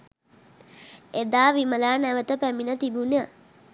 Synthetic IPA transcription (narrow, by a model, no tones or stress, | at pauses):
ed̪aːʋiməlaːnæʋət̪əpæminət̪ibunə